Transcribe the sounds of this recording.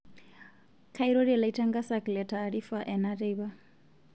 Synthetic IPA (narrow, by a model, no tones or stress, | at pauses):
kʰaiɾoɺilaitʰaŋɡasaklɛtʰaːɺifaʔɛnaɾiβa